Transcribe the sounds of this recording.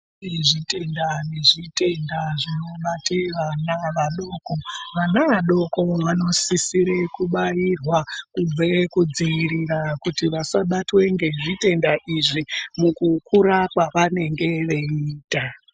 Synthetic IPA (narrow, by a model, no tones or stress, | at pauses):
eʐite̞ndane̞ʐite̞ndaʐino̞ɓateʋanaʋaɗo̞ːko̞ʋanaʋaɗo̞ko̞ʋano̞sisiɾekuɓajirwakub͡vekud͡ziiɾirakutiʋasaɓatwe̞ŋɡe̞ʐite̞ndaʔiʐimukukʰuɾakwaʋane̞ŋɡe̞ʋe̞iːta